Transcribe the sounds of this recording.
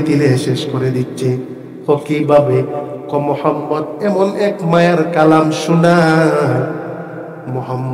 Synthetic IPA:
t̪ileɦeʃeʃkoɾed̪itːʃʰe | kokibʱabekɔmohɔmːɔd̪ɛmonɛkmajaɾkalamʃuna | moɦɔmː

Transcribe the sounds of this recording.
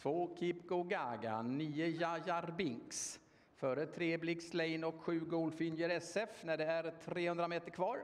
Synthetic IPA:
t̪voːkʰɪpkɔɡaːɡa̰nyːəjajaɾbɪŋks | fœɾət̪ʰɾeːblɪkslɛɪnɔkɧʉ̟ːɡoːlfʏnjəɾɛsɛfnæɖɛæɾt̪ʰɾeːhɵnd̪ɾameːt̪əɾkʰvɑːɾ

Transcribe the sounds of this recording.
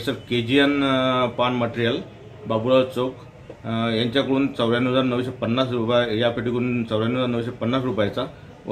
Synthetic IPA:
səɾked͡ʑijənpaɳməʈɾijəl | babuɭat͡sok | jaɲt͡ɕjakəɽuːnt͡səwɭjanəd͡zaɾnəʋɕepənːasɾupajapeʈikəɽuːnt͡səwɭjanəd͡zaɾnəʋɕepənːasɾupajt͡sa

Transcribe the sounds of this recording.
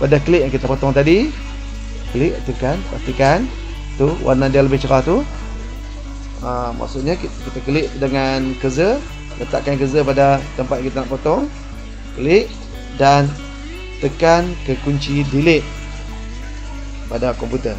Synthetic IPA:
padakəlɪʔjaŋkit̪apot̪ɔŋt̪adi | kəlɪʔt̪əkanpa̰st̪ikan | t̪uwa̰rnadialəbɪht͡ʃəɾaht̪u | əmʔa̰ʔsuʔɲaikit̪akəlɪʔdəŋankəzə | lət̪a̰ʔkankəzəpadat̪əmpat̪jãŋkit̪anaʔpot̪ɔŋ | kəlɪʔ | dan | t̪əkankəkuɲt͡ʃidilɪʔ | padakɔmput̪ər

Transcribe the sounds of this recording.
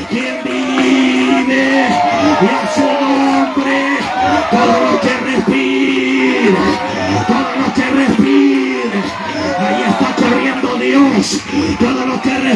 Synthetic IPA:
embi | ðe | iesoombɾe | t̪oðolokerespi | ɾa | t̪oðolõkerespi | ɾɐ | iaiest̪akorjẽnd̪oðeõst̪oðolokere

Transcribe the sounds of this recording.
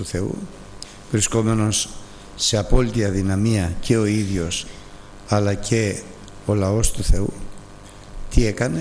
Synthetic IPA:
uθe̞ṵ | vɾisko̞me̞no̞sː | e̞ɐpo̞lit̪iɐðinɐmiɐcʰe̞o̞iðʝo̞s | ɐlɐce̞ | o̞lɐo̞st̪uθe̞ṵ | t̪ie̞kɐne

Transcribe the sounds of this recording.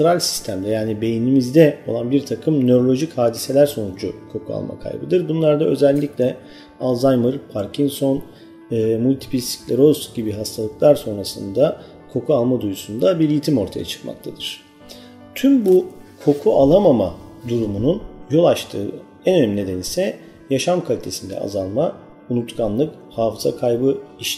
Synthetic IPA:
ɾalʲsi̥st̪ʰæmd̪ɛjaːnibe̞jinimizd̪ɛo̞̰lˠanbiɾt̪ʰakʰɯmnø̞ɾo̞lʲo̞ʒichaːd̪ise̞lʲæɾso̞nud͡ʒukʰo̞kʰua̰lˠmʔa̰kʰa̰jbɯd̪ɯɾbunlˠaɾd̪aø̞̰zɛlʲːiclʲɛ | alˠzajmɯɾpʰaɾcʰinso̞n | ɯːmulʲt̪ʰi̥pʰist̪i̥clʲɛɾo̞sɟibiɦast̪ʰalˠɯklˠaɾso̞nɾasɯnd̪a | kʰo̞kʰualˠmad̪ujusund̪abiɾjit̪ʰimo̞ɾt̪ʰaja̰t͡ʃʰɯ̥kma̰k̚t̪ʰad̪ɯɾ̥ | t̪ʰymbukʰo̞kʰuʔalˠamamad̪uɾumununjo̞lˠat͡ʃt̪ʰɯː | ɛnø̞næmʲined̪e̞nisɛ | jaʃamkʰalʲit̪ʰe̞sind̪ɛ̰a̰zalˠma | unut̪kʰanlˠɯk | haːfɯz̥a̰kʰajbɯiʃ

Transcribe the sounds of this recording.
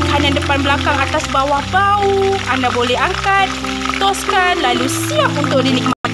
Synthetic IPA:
khanãndəpanbəlakaŋat̪asbawahbauandabolɛɦaŋkat̪̚ː | ɔskanlalusiap̚unt̪ʊk̚dinik̚ma

